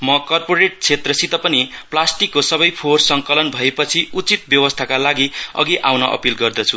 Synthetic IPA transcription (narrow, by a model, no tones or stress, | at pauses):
mʌkʌrpoɾeʈ̚t͡sʰet̪rʌsit̪ʌpʌniplasʈikːosʌbʌjpʰorsʌŋkʌlʌnbʱʌepʌt͡sʰiut͡sit̪̚bjʌwʌst̪ʰakalaɡiʌ̰ɡiʔawnʌʔʌ̰pilɡʌrd̪ʌt͡sʰu